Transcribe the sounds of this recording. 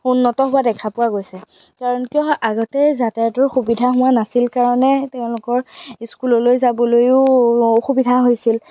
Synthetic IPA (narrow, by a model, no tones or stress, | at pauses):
unːɔtɔɦʊwadɛkʰapʊwaɡojsɛ | kaɹɔnkijɔʔaɡɔtɛzatajɔtɔɹxubidʱaɦʊ̃anasilkaɹɔnɛtɛʊ̃lʊkɔɹskulɔlojzabɔlojʊoxubidʱaɦojsil